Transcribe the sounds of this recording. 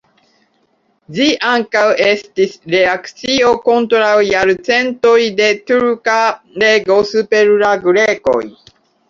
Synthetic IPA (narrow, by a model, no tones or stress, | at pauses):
d͡ʒiʔaŋkawe̞stisɾe̞akt͡sio̞ko̞ntɾawjaɾt͡se̞nto̞jde̞t̪uɾka | le̞ɡo̞supe̞ɾɾaɡuɾeko̰j